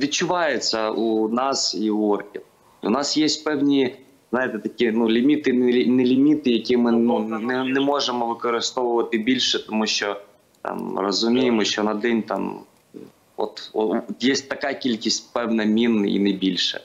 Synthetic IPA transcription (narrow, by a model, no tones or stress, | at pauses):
ʋʲid̚t͡ʃːʊʋɑjet͡sʲːɐunɑsiuɔrkʲiw | ṵnɑsjesʲtʲpɛwnʲi | znɑjet̪ɛt̪ɐkʲinulʲimʲit̪ɪnʲnɛlʲimʲit̪ɪjɐkʲimɪnunɛnɛmɔʒemɔʋɪkɔɾɪst̪ɔʋʊʋɐt̪ɪbʲilʲʃɛt̪ɔmuʃt͡ʃɔ | t̪ɑ̰mrɔzʊmʲijemɔʃt͡ʃɔnɐd̪ɛnʲt̪ɑ̰m | ɔ̰t̪ɔjesʲt̚ʲt̪ɐkɑkʲilʲkʲisʲtʲpɛwnɐmʲinḭnɛbʲilʲʃɛ̰